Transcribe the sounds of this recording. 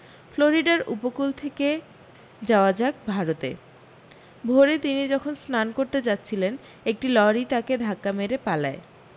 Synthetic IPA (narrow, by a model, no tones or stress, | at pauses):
floɾiɖaɾṵpokult̪ʰeke | d͡ʑaoad͡ʑaɡ̚bʱaɾot̪ḛ | bʱoɾet̪inid͡ʑɔkʰonsnankoɾt̪ed͡ʑatːɕʰilen | ek̚ʈilɔɾit̪aked̪ʱakːameɾepalae